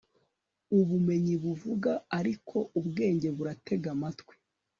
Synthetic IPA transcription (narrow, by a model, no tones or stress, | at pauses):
uβume̞ɲiβuvuɡaːɾikʰo̞ʔubɡe̞ːɲɟe̞βuɾatʰe̞ɡamatwe̥